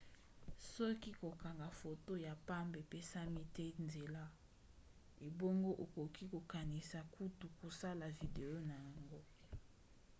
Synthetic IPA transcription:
sɔ˦ki˦ko˨ka˨ŋɡa˨fo˨to˦ja˨pa˦mbe˨pe˦sa˦mi˦tɛ˦nze˨la˦ | e˨bo˦ŋɡo˦ʔo˨ko˨ki˦ko˨ka˨ni˨sa˨ku˦tu˨ko˨sa˦la˨vi˨de˨jo˦na˨ja˨ŋɡo˦

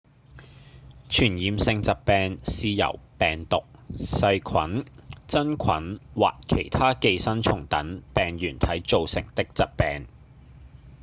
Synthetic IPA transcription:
t͡ʃʰyː˨˩njiː˨˧msɪ˧ŋt͡sɐ˨p̚pɛː˧ŋsiː˨˧jɐ̰˨˩wpɛː˨ŋt̪ʊ˨k̚sɐ˧jkʰwɐ˨˥nt͡sɐ˥nkʰɐ˨˥nwa̰ː˨k̚kʰe˨˩jt̪ʰaː˥ke˧jsɐ˥nt͡ʃʰʊ˨˩ŋt̪ɐ˨˥npɛː˨ŋjyː˨˩nt̪ʰɐ˨˥jt͡so˨˧wsɪ̰˨˩ŋt̪ɪ˥k̚t͡sɐ˨p̚pɛː˨ŋ

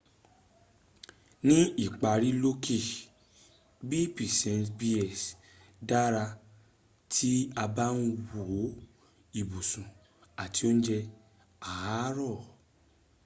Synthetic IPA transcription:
nĩ˦i˦˨k͡pa˧ɾi˨˦lo˦kʰe˦˨ | bi˦pi˨sɛ̃˧ntbi˦ɛ˦˨s | da˦ɾa˧ | tʰi˦a˧ba˦nũ˦wo˨˦ | i˦˨bu˨sũ˨ | a˨ti˨˦o˦ñ̩˦d͡ʒɛ˧ | a˨a˨˦ɾɔ˦˨

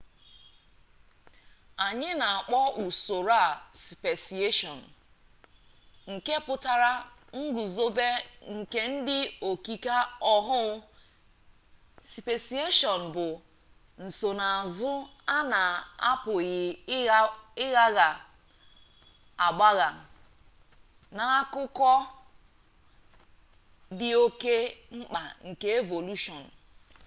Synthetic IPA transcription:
a˨ɲɪ˦na˨a˨k͡pɔ˦ʔu˨so˨ɾa˦˨si˨pe˨si˨e˦ʃɔ˨n̩˨ | ŋ̩˨ke˦pʊ˦ta˨ɾa˦ŋ̩˦ɡu˨zo˦be˦ŋ̩˨ke˦n̩˦dɪ˦o˨ki˨ka˦ɔ˦ɦʊ˦ʊ˦ | si˨pe˨si˨e˦ʃɔ˨n̩˨bʊ˨ | n̩˨so˨na˨a˨zʊ˦a˦na˨a̰˦pʊ˨ɣɪ˨ | ɪ˦ɣa˦ɣa˨ | a˨ɡ͡ba˦ɣa˨ | na˨a˦kʊ˦kɔ˦ | dɪ˦o˦ke˦ŋ͡m̩˦k͡pa˨ŋ̩˨ke˦e˦vo˨lu˦ʃɔ˨n̩˨

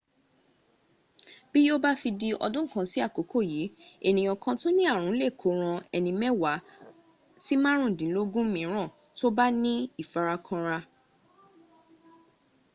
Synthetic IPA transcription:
b̥i˦jo˦ba˦fi˧di˧ɔ̰˧dũ˦kã˧si˦a˦˨ko˨˦kʰo˦˨jiː˨˦e˦˨nĩ˨ɔ̃˧kã˧tõ˦nĩ˦a˦˨ɾũ˨˦le˦˨kʰo˨˦ɾ̃ã˧ɛ˧nĩ˧mɛ˦wa˨˦ | si˦mã˦ɾ̃ũ˦˨dĩ˨˦lo˦ɡũ˦mĩ˨˦ɾ̃ã˦˨ | to˦ba˦nĩ˦i˦˨fa˧ɾa˧kʰã˧ɾa˧

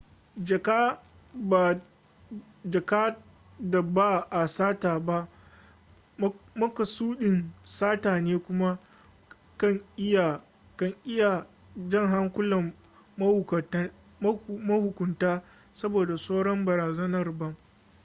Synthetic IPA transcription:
d͡ʒɐ˨ka˦ | ba˨ | d͡ʒɐ˨kaː˦ | da˨baː˦ʔa˨saː˦taː˨ba˦ʔ | mɐ˦kɐ˨suː˦ɗɪ˨nsaː˦taː˨neː˦kʷʊ˦ma˦ | kɐ˦˨ŋɪ˦ja˨ | kɐ˦˨ŋʔɪ˦ja˨ | d͡ʒɐ˦ŋɦa˦ŋkʷʊ˦lɐ˨mː | ɐ˦hʊ˨kɐ˨˦ | mɐ˦hʊ˨kʷʊ˨ntaː˦ | sɐ˦boː˨da˨soː˦ɽɔ˦mbɐ˨ɾaː˨zɐ˦nɐ˦rbɐ˦ŋ

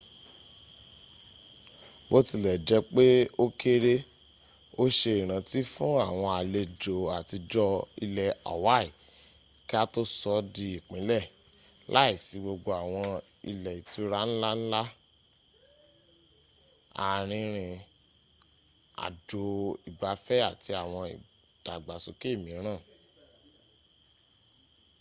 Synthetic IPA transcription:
bo˦ti˧lɛ˨d͡ʒɛ˨˧k͡pe˦o˦ke˦ɾe˦ | o˦ʃe˧i˨ɾ̃ã˨ti˦fũ˦a˦˨w̃ɔ̃˧a˨le˧d͡ʒo˨a˨ti˧d͡ʒɔ˧i˧lɛ˨a̰˨wa˦i˨ | ki˦a˦to˦sɔ˧˦di˧i˨k͡pĩ˨˦lɛ˦˨ | lʔa̰˨˦i˦˨si˨˦ɡ͡bo˧ɡ͡bo˧a˨w̃ɔ̃˧ | ḭ˧lɛ˨i˨tu˨˦ɾa˦ñ̩˦la˦n̩˦la˦ | a̰˧ɾ̃ĩ˧ɾ̃ĩ˧ | a̰˨d͡ʒo˨i˨ɡ͡ba˨fɛ˦a˦˨ti˧a˨w̃ɔ̃˧i˨d̥a˨ɡ͡ba˨so˨ke˦˨mĩ˨˦ɾ̃ã˦˨

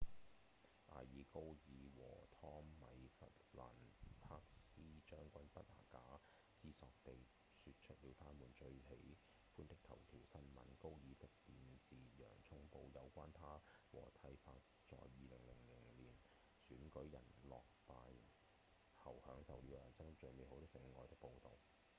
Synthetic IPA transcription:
ʔa̰ː˨˩jiː˨˧ko˥wjiː˨˧wɔː˨˩t̪ʰɔː˥ŋmɐ˨jfɐ˥t̚la̰ː˨˩npʰaː˧k̚siː˥t͡ʃœː˥ŋkʷɐ˥npɐ˥t̚aː˨˩kaː˨˥ | siː˥sɔː˧k̚t̪e˨j | sy˧t̚t͡ʃʰɵ˥t̚liː˨˧wt̪ʰaː˥muː˨˩nt͡ʃɵ˧ɥhe˨˥j | fuː˥nt̪ɪ˥k̚t̪ʰɐ˨˩wt̪ʰiː˨˩wsɐ˥nmɐ̰˨˥nko˥wjiː˨˧t̪ɪ˥k̚piː˨nt͡siː˨jœ̰ː˨˩ŋt͡sʰʊ˥ŋpo˧wjɐ˨˧wkʷaː˥nt̪ʰaː˥wɔ̰ː˨˩t̪ʰɐ˧˥jfaː˧t̚ | t͡sɔ̰ː˨jːiː˨˧lɪ˨˩ŋlɪ˨˩ŋlɪ˨˩ŋŋliː˨˩n | syː˨˥nkɵ˨˥ɥjɐ̰˨˩nlɔː˨k̚paː˧j | hɐ˨˩whœː˨˥ŋsɐ˨wly˨˥wɐ˨˩sɐ˥ŋt͡ʃɵ˨˧ɥme˨jho˨˧wt̪ɔ˥sɪ˨˥ŋ˧ŋɔː˨jt̪ɪ˥k̚po˧wt̪o˨w

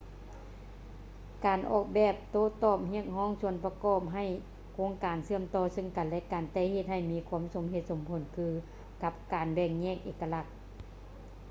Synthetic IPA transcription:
kaː˨˩nʔɔ̰ː˧˩k̚bɛː˧˩p̚t̪oː˧˩t̪ɔː˧˩p̚hi˧˩˨ək̚ɦɔː˧˥˨ŋsu˧˥ənpa˧kɔː˧˩p̚ɦa˧˩j | kʰoː˧˥ŋkaː˨˩nsɯ˧˨əmt̪ɔː˧˨sɤ˧˥ŋka˨nlɛ˧˥kaː˨˩nt̪ɛː˧˥˨he˧t̪̚ha˧˩jmiː˧kʰuː˧˥əmso˨˩˦mɦe˧t̪̚so˨˩˦mpʰo˨˩˦nkʰɯː˧ | ka˧˥p̚kaː˨˩nbɛː˧˩ŋ̚ɲɛː˧˥˨k̚ʔeː˧˩kːa˧la˧k̚

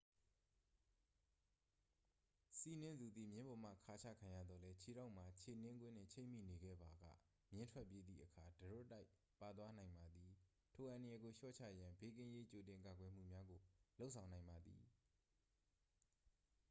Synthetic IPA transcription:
si˦˨nɪ̃˦nd̪u˨d̪ðḭ˦˨mjɪ̃˦mbɔ˨m̥ä̰˦˨kʰa˦t͡ɕʰa̰˦˨kʰã˨ja̰˦˨d̪ðɔ˨lɛ˦t͡ɕʰi˨ɾa˦ʊʔm̥a˨t͡ɕʰe˨nɪ̃˦ŋɡwɪ̰̃˦˨n̥ɪ̰̃˦˨t͡ɕʰḛ̃˦˨m̥ḭ˦˨ne˨ɡɛ̰˦˨ba˨ɡa̰˦˨ | mjɪ̃˦ntʰwɛ˦ʔpːje˦d̪ðḭ˦˨ʔəkʰa˨dəɹo̰˦˨tːa˦ɪ | pa˨t̪̬wa˦nã˨ɪ̃mba˨d̪i˨ | tʰo˨ʔã˨ndə˨jɛ˨ɡo˨ʃɔ̰˦˨t͡ɕʰä̰˦˨jã˨be˦kɪ̃˦je˦t͡ɕo˨tɪ̃˨ŋka˨ɡwɛ˨m̥ṵ˦˨mja˦ɡo˨lo˦ʔsʰã˨ʊ̃nã˨ɪ̃mba˨d̪ḭ˨

